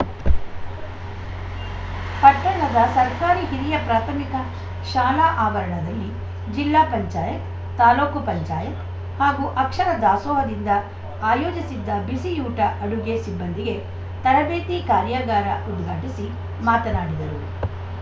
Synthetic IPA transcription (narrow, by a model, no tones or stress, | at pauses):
pɐʈːɐnɐd̪ɐsɐɾkaːɾiɦiɾijɐpɾaːt̪ʰɐmikɐ | ʃaːlaːʔaːʋɐɾɐɳɐd̪ɐlːi | d͡ʒilːaːpɐɲt͡ʃaːjɐt̪ | t̪aːloːkupɐɲt͡ʃaːjɐt̪ | haːɡuːʔɐkʂɐɾɐd̪aːsɔːɦɐd̪ind̪ɐ | aːjoːd͡ʒisid̪ːɐbisijuːʈɐʔɐɽuɡe̞sibːɐnd̪iɡe̞ | t̪ɐɾɐbeːt̪ikaːɾjaɡaːɾɐʔud̪ɡʱaːʈisi | maːt̪ɐnaːɽid̪ɐɾu